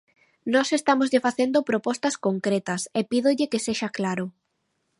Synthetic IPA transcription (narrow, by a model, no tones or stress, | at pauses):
nɔsest̪amozʎɪfaθend̪ʊpɾopɔst̪ɐskoŋkɾet̪ɐsɛpiðʊʎɪkeseʃaklaɾʊ